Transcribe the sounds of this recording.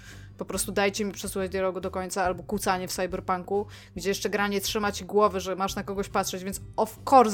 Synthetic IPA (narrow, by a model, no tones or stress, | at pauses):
pɔpɾɔst̪ud̪ajt͡ɕɛmʲipʂɛsuxad͡ʑd̪jaɾɔɡud̪ɔkɔɲt̪saalbɔkut̪saɲɛfsajbɛɾpaŋku | ɡd͡ʑɛjɛʂt͡ʂɛɡɾaɲɛtʂɘmat͡ɕiɡwɔvɘʐɛmaʂnakɔɡɔɕpatʂɛd͡ʑvʲjɛntsɔfkɔɾ